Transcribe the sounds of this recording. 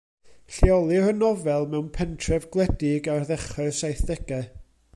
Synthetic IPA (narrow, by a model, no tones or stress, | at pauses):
ɬiɔlˠɨrənɔvɛlˠmɛwnpʰɛntʰrɛvɡlˠɛdɪɡarðɛχɔsajθðɛɡ̥ɛ